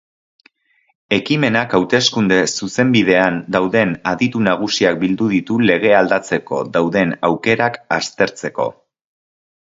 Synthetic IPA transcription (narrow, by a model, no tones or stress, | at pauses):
e̞kime̞nakawt̪e̞skund̪e̞suse̞mbið̞e̞and̪awðe̞naðit̪unaɣ̞usiak̚bild̪uðit̪ule̞ɣ̞e̞ald̪at͡se̞ko̞̰ðawðe̞nawke̞ɾakast̪e̞ɾt͡se̞ko̞̰